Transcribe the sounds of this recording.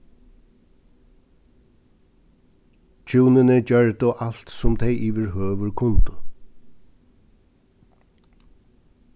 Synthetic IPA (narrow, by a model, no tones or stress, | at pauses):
t͡ʃʰuːnɪnɪd͡ʒœɹd̪ʊʔal̥t̪sʊmt̪ʰɛjʔiːʋɪɹɦøːʋʏɹkʰʊnt̪ʊ